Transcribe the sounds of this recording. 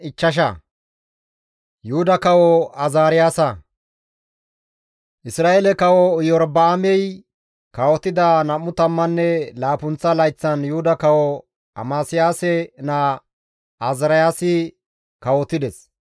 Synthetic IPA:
ɪt͡ʃːɐʃ̬ɐ̰ | jʊʊd̪ɐkɐwɔɐzaːɾɪjaːsɐ | ʔɪsɾaːʔelɛkɐwɔjɔɾbɐːmɛj | kɐwɔt̪ɪd̪anɐmːʊt̪ɐmːɐnːɛlaːpʊnt͡sːɐlɐjt͡sːɐnjʊhʊd̪ɐkɐwɔ | ɐ̰maːsɪjaːsɛnɐ | azɪɾɐjaːsɪ | kɐwɔt̪ɪd̪ɛs

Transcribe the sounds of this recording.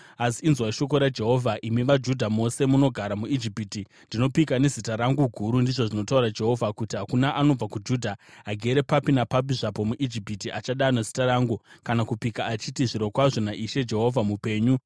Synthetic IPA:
asiːnzwaiʃo̞k̬o̞ɾad͡ʒe̞ɦo̞vʱaʔimiʋad͡ʒudʱamo̞se̞muno̞ɡʱaɾamuid͡ʒipiti | ndino̞pikane̞zitaɾaŋɡuɡʱuɾundiʐo̞ʐino̞tauɾad͡ʒe̞ɦo̞vʱakutiɦakunaʔano̞b͡vakud͡ʒudʱaɦaɡʱe̞ɾe̞papinapapiʐapo̞muʔid͡ʒipitiʔat͡ʃaɗanazitaɾaːŋɡukanakupikaːt͡ʃitiʐiɾo̞kwaʐo̞naʔiʃe̞d͡ʒe̞ɦo̞vʱamupe̞ːɲu

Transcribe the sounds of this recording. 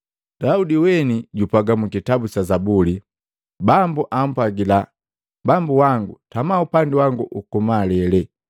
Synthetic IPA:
d̥audiwɛniɟupaɡamukitabut͡ʃazabuli | bambuʔam̩paɡila | bambuwaŋɡutamaupandiwaŋɡuʔukumalɛlɛ

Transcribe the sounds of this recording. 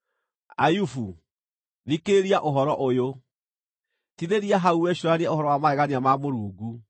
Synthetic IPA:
ajufu | nikeeɾiaʔoɦɔɾɔʔojo | tiðeɾiaɦauwɛɕoɾaniaohɔɾɔwamaɛɣaniamamoɾuːɡu

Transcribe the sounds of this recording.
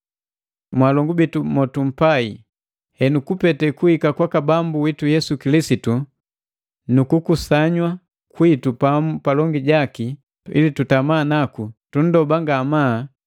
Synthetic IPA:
mwalɔŋɡubitumɔtum̩pai | hɛnukupɛtɛkuhikakwakabambuwitujɛsukilisitu | nukukusaɲwa | kwitupamupalɔŋɡiɟaki | ḭlitutamaːnakutun̩dɔbaŋɡamaː

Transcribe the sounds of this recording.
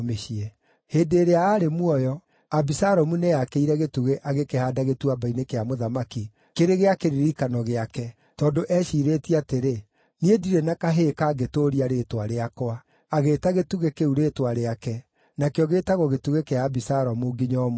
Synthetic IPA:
meʃiɛ | heːdeːɾeaːɾemwɔjɔ | abisaɾɔmunejakeiɾɛɣetuɣeʔaɣekehaːdaɣetuabainekeamoðamaki | keɾeɣeakeɾiɾikanɔɣeakɛ | tɔːndoʔɛʃiːɾetiateɾe | niediɾɛnakaɦekaːɡetoɾiaɾeːtwaɾeakoaː | ɣeːtaɣetuɣekeuɾetwaɾeakɛ | nakejɔɣetaɣɔɣetuɣekeaːbisaɾɔmuɡiɲɔm

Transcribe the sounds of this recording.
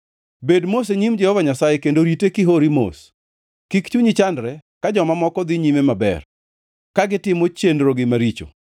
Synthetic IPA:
bedmos̬eɲimd͡ʒɛhɔvaɲasajekendoɾitekɪɦoɾimo̰s | kikt͡ʃuɲit͡ʃandɾɛkad͡ʒɔmamɔkɔd̪ɪɲimemabɛ̰r | kaɡɪtɪmot͡ʃendɾoɡɪmaɾit͡ʃo̰

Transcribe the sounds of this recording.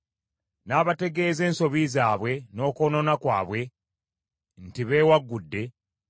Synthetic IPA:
naːβate̞ɡe̞ːze̞ːnso̞βizaːβwe̞no̞ːko̞ːno̞nakwa̰ːβwe̞ | n̩tiβe̞ːwaɡːudːe̞

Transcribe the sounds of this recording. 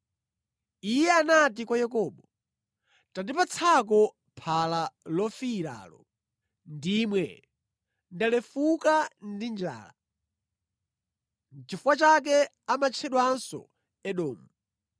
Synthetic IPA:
ijɛanat̬ikwajɛkɔːɓɔ | tandipat͡sʰak̬ɔ | pʰalalɔfiɾa̰ːlɔ̰ | ndimwɛ̰ | ndalɛfukandind͡ʒa̰ːla | n̩t͡ʃifuwat͡ʃak̬ɛ | amat͡ʃʰɛɗwansɔ̰ | ɛɗɔːmu

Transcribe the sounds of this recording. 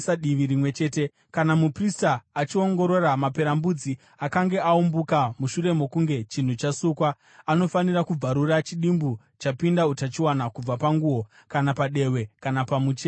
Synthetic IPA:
saɗiʋiɾimwe̞t͡ʃe̞ːte̞ | kanamupristaːt͡ʃio̞ŋɡo̞ɾo̞ɾamape̞ɾambud͡zi | akaŋɡe̞aumbukamuʃuɾe̞mo̞kuŋɡe̞t͡ʃin̤ut͡ʃasukwaː | no̞fanirakub͡vaɾurat͡ʃiɗimbu | t͡ʃapindautat͡ʃiwanakub͡vapaŋɡuwo̞ | kanapaɗe̞we̞kanapamut͡ʃe

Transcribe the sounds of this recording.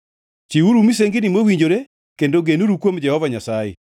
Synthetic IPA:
t͡ʃiuɾumiseŋɡɪnimwowiɲd͡ʒoɾe | kendoɡenuɾukwomd͡ʒɛhɔvaɲasajḛ

